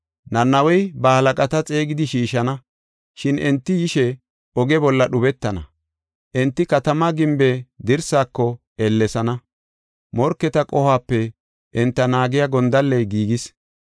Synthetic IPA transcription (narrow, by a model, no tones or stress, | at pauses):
nɐnːɐwɔjbɐhɐlɐkʼɐt̪ɐt͡sʼe̞ːɡɪd̪ɪʃiːʃɐnɐ | ʃɪnɛnt̪ːɪjɪʃɛ | ɔɡɛbɔlːɐɗʊbɛt̪ːɐnɐ̰ | ʔɛnt̪ːɪkɐt̪ɐmɐɡɪmbed̪ɪɾsaːkːɔ | ɛlːɛsɐnɐ | mɔɾkːɛt̪ɐkʼɔhaːpːɛ | ʔɛnt̪ːɐnaːɡɪjaɡɔnd̪ɐlːɛjɡiːɡɪs